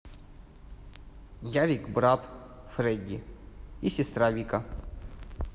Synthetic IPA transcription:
jaɾʲikbɾat̪ | fɾɛdʲi | isʲɪst̪ɾavʲikɐ

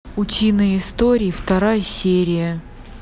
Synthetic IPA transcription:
ʊtʲinəjɪst̪oɾʲɪːft̪ɐɾajəsʲeɾʲɪjə

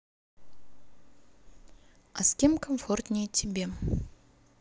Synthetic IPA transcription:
askʲemkʰomfort̪nʲejt̪ʲʰembʲem

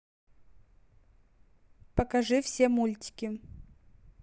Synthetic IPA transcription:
pəkɐʐɨfsʲemulʲtʲɪ̥kʲɪ

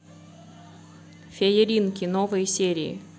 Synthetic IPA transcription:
fʲejeɾʲinkʲinovəjsʲeɾʲiḭ

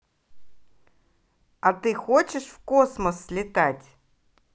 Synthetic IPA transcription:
at̪ɨxot͡ɕɪʂfkosməsːlʲɪt̪atʲ

